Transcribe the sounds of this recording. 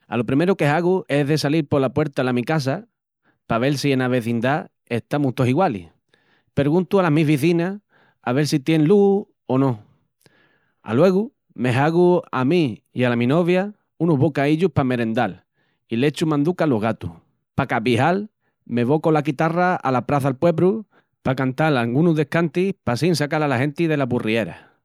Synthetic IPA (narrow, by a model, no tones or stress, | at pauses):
a̰lopɾime̞ɾuke̞ɦaɣue̞ðe̞saliɾpo̞lapwe̞ɾt̪alamikas̬a | paβe̞lsie̞naβe̞θind̪a | e̞ht̪amuht̪osiɣwalḭ | pe̞ɾɣũnt̪ualaɦmiɦβ̞iθina | aβe̞ɾsit̪je̞nlu | onõ̞ | a̰lwe̞ɣu | me̞ɦaɣuamiialamĩno̞βja | unuɦβokaiʎupame̞ɾẽ̞nd̪al | ilet͡ʃumãnd̪ukaloɦɣat̪ṵh | pakapiɦal | me̞βo̞ko̞lakit̪araa̰lapɾaθalpwe̞βɾu | pakant̪alalɡunuðehkant̪ihpasinsakalalaɦẽ̞nt̪iðe̞lapurie̞ɾa̰